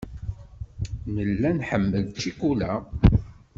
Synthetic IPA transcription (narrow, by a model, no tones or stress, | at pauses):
nəlːænħəmːəlt͡ʃːikulæ